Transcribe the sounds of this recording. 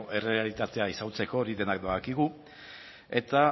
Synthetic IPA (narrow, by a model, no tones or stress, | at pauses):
ʔe̞re̞alit̪at̪e̞aisawt͡se̞ko̞ːɾiðe̞nak̚d̪aɣakiɣu | e̞t̪a